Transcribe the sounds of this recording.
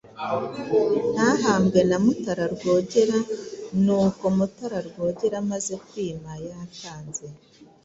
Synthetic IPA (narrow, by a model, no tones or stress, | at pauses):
naɦaːmɡe̞namutaɾaɾɡoːɟeɾanuːkomutaɾaɾɡo̞ːɟeɾamaze̞kwiːmajataːnze̞